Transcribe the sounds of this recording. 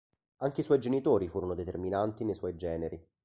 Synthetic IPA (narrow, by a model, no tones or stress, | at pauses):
aŋk̟eiswɔjd͡ʒenit̪oːɾifuːɾonod̪et̪erminant̪inejswɔjd͡ʒɛːneɾi